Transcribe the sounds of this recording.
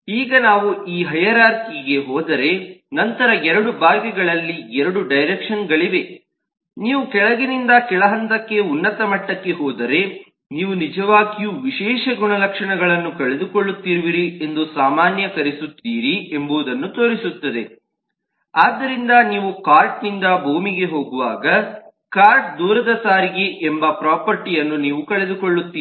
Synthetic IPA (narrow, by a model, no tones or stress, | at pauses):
iːɡɐnaːʋuʔiːɦɐjɐɾaːɾkiɡe̞ɦɔːd̪ɐɾe̞nɐnt̪ɐɾɐɛɾɐɽubaːɡɛɡɐɭɐlːiɛɾɐɽuɖɐjɾekʂɐnɡɐɭiʋe̞ | niːʋukɛɭɐɡinind̪ɐkɛɭɐɦɐnt̪ɐkːe̞unːɐt̪ɐmɐʈːɐkːe̞ɦɔːd̪ɐɾe̞ | niːʋunid͡ʒɐʋaːɡijuʋiʃɛːʂɐɡuɳɐlɐkʂɐɳɐɡɐɭɐnːukɐɭed̪ukoɭːut̪ːiɾuʋiɾie̞nd̪usaːmaːnjɐkɐɾesut̪ːiːɾiembuːd̪ɐnːut̪oːɾisut̪ːɐd̪e̞ | aːd̪ːɐɾind̪ɐniːʋukaːɾʈnind̪ɐbʱuːmiɡe̞ɦo̞ːɡuʋaːɡɐ | kaːɾʈ̚d̪uːɾɐd̪ɐsaːɾiɡeʔembɐpɾaːpɐɾʈijɐnːuniːʋukɐɭe̞d̪ukoɭːut̪ːiː